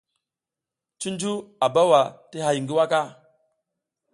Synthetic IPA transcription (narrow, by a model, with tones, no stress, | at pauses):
t͡ʃi˦nd͡ʒu˦a˨ba˦wa˨ti˦ha˨ji˨ŋɡi˦wa˦ka˦